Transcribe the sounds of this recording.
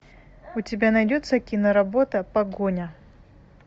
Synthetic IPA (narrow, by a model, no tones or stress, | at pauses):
ʊtʲɪbʲanɐjdʲot̪səkʲinəɾɐbo̞t̪əpɐɡonʲə